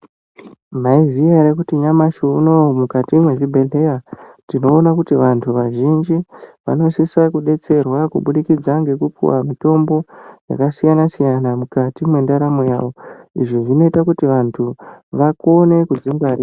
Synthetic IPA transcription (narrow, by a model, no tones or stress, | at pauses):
maizijaɾekutiɲamaʃuno̞mukatimwe̞ʐibʱe̞ɮe̞jatino̞ːnakutiʋantʰuʋaʒind͡ʒiʋa̰no̞sisakuɗe̞t͡se̞rwakuɓuɗikid͡zaŋɡe̞kupṵwa̰mito̞mbo̞ja̰kasijanasijanamukatimwe̞ndaɾamoja̰ːʋo̞ḭʐoʐino̞itakutiʋantʰuʋako̞ne̞kud͡ziŋɡaɾiːa